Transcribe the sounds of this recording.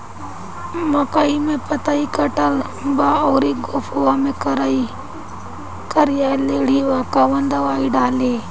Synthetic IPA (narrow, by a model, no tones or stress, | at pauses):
mɐkaimẽpət̪aːikəʈəl | baːoːɾiɡoːpʰuamẽkɾi | kəɾɪjaːleːɽiːʋaːkaʋənd̪əʋaːiɖaːleː